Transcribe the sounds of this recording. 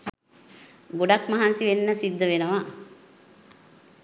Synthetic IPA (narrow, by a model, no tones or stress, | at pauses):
ɡoɖakmaɦansiʋenːəsid̪ːəʋenəʋa